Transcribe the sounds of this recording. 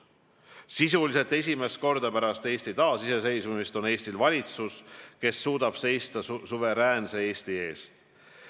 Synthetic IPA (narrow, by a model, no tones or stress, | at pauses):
sis̬ulise̞lt̪ːˑe̞s̬ʲime̞st̪̚ko̞rd̪̥ɑpæɾɑst̪e̞ːsʲt̪it̪ɑːsise̞se̞jsumist̪o̞ne̞ːst̪ilvɑlʲit̪suske̞sːuːd̪̥ɑb̥se̞jst̪ɑsuve̞ɾæːnsee̞ːst̪ie̞ːst̪